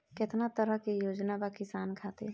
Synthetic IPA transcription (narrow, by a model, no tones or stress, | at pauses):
kɪt̪nat̪əɾəɦkijoːd͡ʒnabakɪsaːnkʰaːt̪ḛ